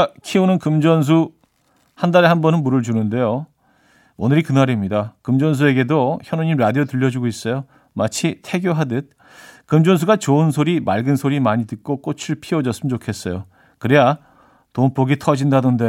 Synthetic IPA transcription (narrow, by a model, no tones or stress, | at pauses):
kʰiunɯnkɯmd͡ʑʌns̬ʰu | handaɾehanbʌnɯnmuɾɯɭd͡ʑunɯnde̞jo | onɯɾikɯnaɾemɲidakɯmd͡ʑʌns̬ʰue̞ɡe̞doçjʌnuɲimɾadiotɯʎːʌd͡ʑuɡois͈ʌjo | mat͡ɕʰitʰe̞ɡjoɦadɯt̚ | kɯmd͡ʑʌns̬ʰuɡat͡ɕoɯnsʰoɾimaɭɡɯnsʰoɾimaɲitɯk̚k͈ok͈ot͡ɕʰuɭpʰiʌd͡ʑʌs͈ɯmnd͡ʑokʰe̞s͈ʌjo | kɯɾeja | tomp͈oɡitʰʌd͡ʑindadonde